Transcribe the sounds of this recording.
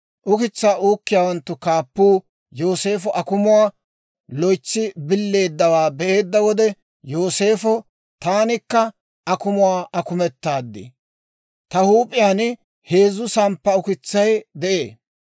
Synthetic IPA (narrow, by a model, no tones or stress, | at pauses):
ʔʊkɪt͡sːaːʔuːkːɪjaːwɐnt̪ːʊkaːpːuː | jo̞ːse̞ːfɔʔɐkʊmʊwaː | lɔjt͡sːɪbɪlːe̞ːd̪ːɐwaːbɛʔeːd̪ːɐwɔd̪ɛ | jo̞ːse̞ːfɔ | t̪aːnɪkːɐ | ʔɐkʊmʊwaːʔɐkʊmɛt̪ːaːd̪ːɪ̰ | t̪ɐhuːpʼɪjaːn | he̞ːzːʊsɐmpːɐʊkɪt͡sːɐjd̪ɛʔḛː